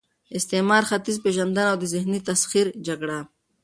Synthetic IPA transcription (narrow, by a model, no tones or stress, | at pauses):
ɪst̪emɑːɾxat̪izpeʒand̪anawd̪əzɪɦnit̪asxiɾd͡ʒaɡɽa